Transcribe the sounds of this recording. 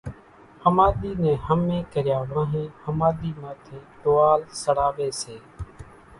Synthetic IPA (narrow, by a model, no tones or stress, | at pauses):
həmaːɗ̪iːnẽːhəmẽːkəɾjaːʋãːɦẽːhəmaːɗ̪iːmãːt̪ʰẽːt̪oːaːlsəɽaːʋeːseː